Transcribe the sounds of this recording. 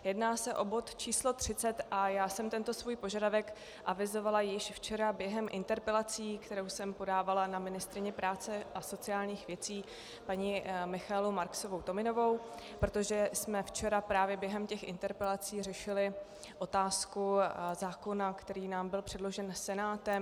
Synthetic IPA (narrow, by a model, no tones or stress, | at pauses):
jɛdnaːsɛʔo̞bo̞t̪t͡ʃiːslo̞t̪r̝̥ɪt͡sɛt̪ʔajaːsɛmt̪ɛnt̪o̞svuːjpo̞ʒadavɛk | ʔavɪzo̞valajɪʃft͡ʃɛɾabjɛɦɛmʔɪ̰nt̪ɛɾpɛlat͡siːkt̪ɛɾo̞wsɛmpo̞daːvalanamɪnɪst̪ɾɪɲɛpɾaːt͡sɛʔaso̞t͡sɪaːlɲiːxvjɛt͡siː | paɲimɪxaɛlumaɾksovowt̪o̞mɪno̞vo̞w | pɾot̪o̞ʒɛsmɛft͡ʃɛɾapɾaːvjɛbjɛɦɛmcɛxʔɪ̰nt̪ɛɾpɛlat͡siːrɛʃɪlɪ | ʔo̞t̪aːskuzaːko̞nakt̪ɛɾiːnaːmbɪlpr̥ɛdlo̞ʒɛnsɛnaːt̪ɛm